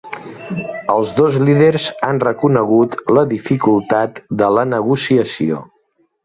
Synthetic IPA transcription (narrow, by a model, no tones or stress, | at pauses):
əlˠzðozliðeɾzanrəkunəɣ̞ut̪ləðifikulˠt̪at̪d̪ələnəɣusiəsio̰